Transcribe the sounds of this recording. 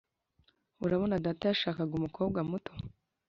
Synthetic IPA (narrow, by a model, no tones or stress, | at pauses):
uɾaβo̞nadatajaʃaːkaɡumuko̞ːb̚ɡamutʰo